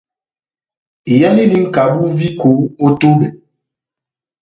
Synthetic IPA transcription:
i˨ja˦li˦li˦ŋ̩˦˨ka˨˦bu˦vi˦ko˨˦o˦to˦be˨

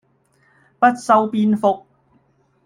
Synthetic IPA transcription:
pɐ˥t̚sɐ˧wpiː˧nfʊ˨k̚

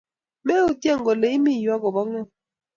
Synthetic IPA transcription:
mɛ˦o˨tja˦˨ŋɡɔ˨le˨i˦mi˦˨jwa˦kɔ˨ba˦ŋɔ˦˨

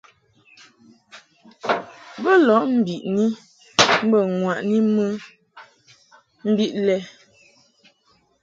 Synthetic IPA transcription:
bə˦lɔ˨˦ʔm̩˦˨bi˨ʔni˦ | m̩˦bə˨ŋwa˨ʔni˦mə˦ | m̩˦bi˦ʔlɛ˦

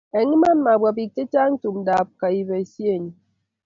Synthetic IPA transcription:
e˨ŋi˦ma˦n˦ma˨bʷwa˨pi˨te˦t͡ʃa˦n̩˦tu˨mda˨p̚ka˨i˨ve˨sje˦˨ɲi˨

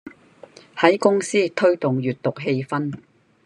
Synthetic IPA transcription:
hɐ˨˥jkʊ˥ŋsiː˥t̪ʰɵ˥ɥt̪ʊ˨ŋjyː˨t̚t̪ʊ˨k̚ɦe˧jfɐ˥n

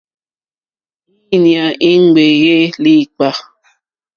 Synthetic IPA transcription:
i˦nja˨ʔi˦ŋ˦˨ɡ͡be˨ɣe˦li˦˨k͡pa˦

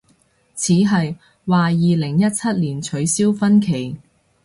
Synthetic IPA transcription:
t͡sʰiː˨˥ɦɐ˨j | waː˨jiː˨lɪ˨˩ŋjɐ˥t̚t͡sʰɐ˥t̚liː˨˩nt͡ʃʰɵ˨˧ɥsiː˥wfɐ˥nkʰe˨˩j

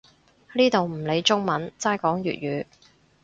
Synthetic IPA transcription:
liː˥t̪o˨wm̩˨˩le˨˧jt͡ʃʊ˥ŋmɐ˨˥nt͡saː˥jkɔː˨˥ŋjy̰ː˨t̚jyː˨˧

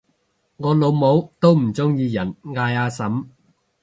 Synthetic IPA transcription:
ŋɔː˨˧lo˨˧wmo˨˥wt̪o˥wm̩˨˩t͡sʊ˥ŋjiː˧jɐ˨˩nŋaː˧jaː˧sɐ˨˥m

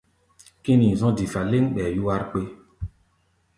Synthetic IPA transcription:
kĩ˦nĩ˨zɔ̃˦di˨fa˨le˦ŋ˦ɓɛ˨ju˦wa˦ɾk͡pe˦

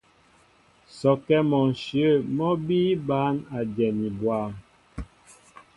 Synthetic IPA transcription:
sɔ˨kɛ˦mɔ˨n˨ʃjə˦˨mɔ˦biː˦ba˨˦na˨d͡ʒɛ˨ni˨bwa˦m

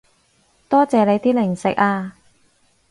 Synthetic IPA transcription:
t̪ɔː˥t͡sɛː˨˧le˨˧jt̪iː˥lɪ˨˩ŋsɪ̰˨k̚aː˧

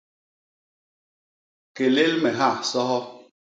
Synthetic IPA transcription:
ke˨le˦lmɛ˨ɦa˦˨sɔ˦ɦɔ˦

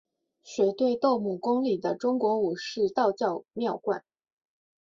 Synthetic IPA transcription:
ɕɥɛ˧˥t̪we˥˧ɪt̪o˥˧ʊmu˨˩kʊ˥ŋli˨˩d̪ə˦ʈ͡ʂʊ˥ŋkwɔ˧˥u˨˩ʂɻ̩˥˧t̪ɑ˥˧ʊt͡ɕjɑ˥˧ʊmjɑ˥˧ʊkwa̰˥˩n

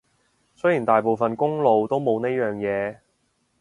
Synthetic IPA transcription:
sɵ˥jiː˨˩nt̪aː˨˩jpo˨wfɐ˨nkʊ˥ŋlo˨wt̪o˥wmo˨˧wneː˥jœː˨˩ŋjɛː˨˧

